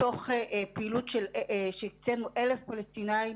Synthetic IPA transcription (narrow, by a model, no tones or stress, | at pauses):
o̞χepiiːlutʃelʃet͡senuʔele̞fpalestinai